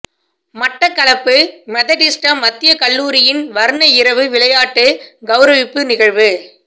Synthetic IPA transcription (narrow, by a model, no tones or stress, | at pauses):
mɐʈːɐkːɐɭɐpːɯmɛðɐʈɪsʈɐmɐt̪ːɪjɐkɐɭːuːɾɪjɪnʋɐɾɯnɐɪɾɐʋɯʋɪɭɐjaːʈːɯɡɐʋʊɾɐʋɪpːɯnɪɣɐɻʋɯ